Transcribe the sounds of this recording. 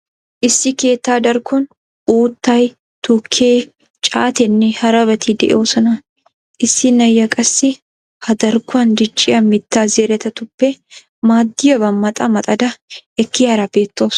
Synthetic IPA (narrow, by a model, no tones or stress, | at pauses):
ʔɪsːɪke̞ːt̪ːaːd̪ɐɾkɔn | ʔuːt̪ːɐj | t̪ʊkʰːeː | t͡ʃʼaːt̪ɛnːɛhɐɾɐβɐt̪ʰɪd̪ɛʔɛ̰oːsɔnɐ | ʔɪsːɪnɐjːɐkʼɐsːɪ | hɐd̪ɐɾkʊɐnd̪ɪt͡ʃʼːɪjɐmɪt̪ːaːzeːɾɛt̪ɐt̪ʊpːɛ | maːd̪ːɪjɐbɐmːɐt̪ʼɐmɐt̪ʼɐd̪ɐɛkːɪjɐɾɐbeːt̪ːoːs